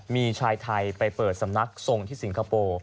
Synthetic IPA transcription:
miː˧t͡ɕʰaː˧jt̪ʰa˧jpa˧jpɤː˨˩t̪̚sa˩˦mna˦˥k̚so˧ŋt̪ʰiː˥˩si˩˦ŋkʰa˧poː˧

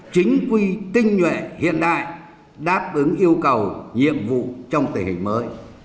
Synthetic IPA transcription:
t͡ɕï˨˦ŋ̟kwi˧t̪ï˧ŋ̟ɲwɛ̰˧˨hḭ˧˨ənɗa̰ː˧˨j | ɗaː˦˥p̚ʔɨ˨˦ŋʔi˧əwkə˨˩wɲḭ˧˨əmvṵ˧˨t͡ɕɔ˧wŋ͡mt̪ï˨˩ŋhï˨˩ŋ̟məː˨˦j

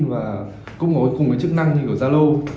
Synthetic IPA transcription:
vaː˨˩ | kʊ̰˧˥ŋ͡mkɔ˨˦jkʊ˨˩ŋ͡mkəː˨˦jt͡ɕɨ˦˥k̚na˧ŋɲ˧kɨ˧˩zaː˧lə˧w

